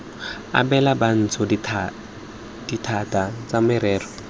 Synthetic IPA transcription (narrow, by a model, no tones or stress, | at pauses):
a̰bɛlaban̩t͡sʰɔdʰ | d̥itʰatʼat͡samɪɾɛːrɔ